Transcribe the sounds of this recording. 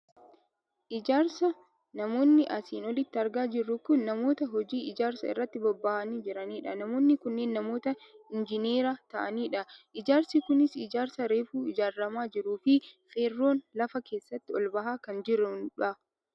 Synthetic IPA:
ʔɪd͡ʒaːɾsɐ | nɐmo̞ːnːɪʔɐsiːnɔlɪt̪ːɪɐɾɡaːd͡ʒɪrːʊkʊnːɐmo̞ːt̪ɐɦɔd͡ʒiːʔɪd͡ʒaːɾsɐɪ̰rːɐt̪ːɪbɔbːɐʔɐniːd͡ʒɪɾɐniːᶑɐnɐmo̞ːnːɪkʊnːe̞ːnːɐmo̞ːt̪ɐɪnd͡ʒɪneːɾaːt̪ɐʔɐniːᶑɐʔɪd͡ʒaːɾsikʊnɪsɪd͡ʒaːɾsɐɾe̞ːfuːɪd͡ʒaːɾːɐmaːd͡ʒɪɾuːfɪfeːrːo̞ːnlɐfɐke̞ːsːɐt̪ːɪɔlbɐɦaːkɐnd͡ʒɪɾʊᶑɐ

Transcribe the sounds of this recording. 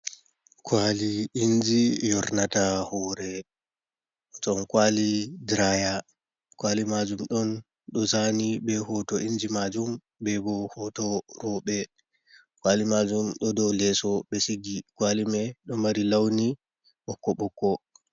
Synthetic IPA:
kʰwaliːnd͡ʒijɔɾnatahɔɾɛ | tɔnkwalidɾaja | kwalimad͡ʒumɗɔn | ɗɔsanibɛhɔtɔʔind͡ʒimad͡ʒum | bɛbɔhɔtɔɾɔɓɛ | kwalimad͡ʒumɗɔdɔlɛsɔɓɛsiɡikwalimɛɗɔmaɾilawni | ɓɔkːɔɓɔkːɔ

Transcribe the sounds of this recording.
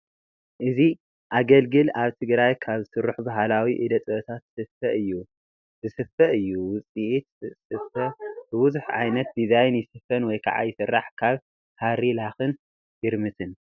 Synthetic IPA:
ʔɨzi | ʔaɡɐlɡɨlaβt̪ʰɨɡɾajkʰaβɨsɨɾːuħbaɦalawiʔid̪ɐt̪ʼɐβɐt̪ʰat̪sɨfɐʔɨjːu | zɨsɨfɐʔɨjːuwʊt͡sʼiʔit̪sɨfɐb̥ɨbʊzuħʕa̰jnɐt̪̚d̪izajnjɪsɨfɐnwɔjkʰa̰ʕa̰jɪsɨrːaħkʰaβ | haɾilaxɨn | jɪɾmɨt̪ʰɨn

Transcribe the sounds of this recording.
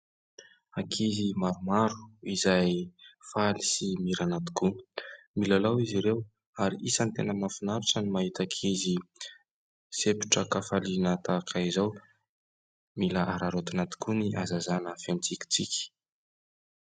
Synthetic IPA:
akʰizimaɾumaɾuizajfalisimiɾanat̪i̥kui̥milalawiziɾew | aɾiʔisant̪enəmafinaɾiʈ͡ʂənimaɦit̪akʰizi | sepi̥ʈ͡ʂəkafalinət̪akʰaizaw | milaʔaɾaɾot̪anat̪i̥kuniʔazazanəfent͡sikʲi̥t͡sikʲi̥

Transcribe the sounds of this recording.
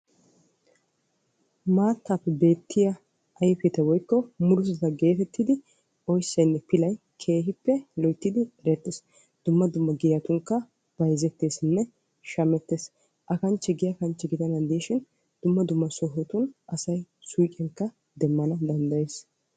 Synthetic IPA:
maːt̪ʰːapːɛbe̞ːt̪ʰːɪjɐ | ʔɐjɛfɛt̪ɛwɔjkːɔmʊɾʊsɐt̪ɐɡe̞ːt̪ɛt̪ːɪd̪ɪ | ʔɔjsːɐjnːɛpɪlɐj | kʰe̞ːɦɪpːɛlɔjt̪ːɪd̪ɪɛɾɛt̪ːes | d̪̥ʊmːɐd̪ʊmːɐɡɪjɐt̪ʊŋkːɐ | b̥ɐjzɛt̪ːe̞ːsɪnːɛ | ʃɐmɛt̪ːeːs | ʔɐkɐnt͡ʃːɛɡɪjɐkɐnt͡ʃːɛɡɪd̪ɐnɐnd̪iʃɪn | d̪̥ʊmːɐd̪ʊmːɐsɔɦɔt̪ʊnʔɐsɐj | sujkʼɛŋkːɐ | d̪ɛmːɐnɐd̪ɐnd̪ɐjeːs

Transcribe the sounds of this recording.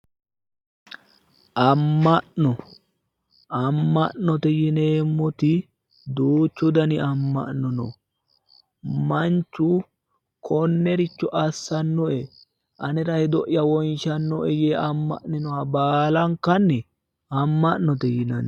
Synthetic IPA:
ʔɐmːɐʔnɔ | ʔɐmːɐʔnɔt̪ɛjɪneːmːɔt̪ɪ | d̪uːt͡ʃːʊd̪ɐnɪɐmːɐ̰ʔnɔnɔ̰ | mɐnt͡ʃːʊ | kʰɔnːɛɾɪt͡ʃːɔʔɐsːɐnːɔʔɛ | ʔɐnɛɾɐhɛd̪ɔʔjɐwɔjnʃɐnːɔʔɛjeːʔɐmːɐ̰ʔnɪnɔwabaːlɐŋkːɐnːɛ | ɐmːɐʔnɔt̪ɛjɪnɐn

